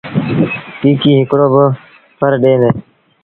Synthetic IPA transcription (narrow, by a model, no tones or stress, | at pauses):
kiːkiːɦɪkɽoːbə | pʰəɾɖeːneː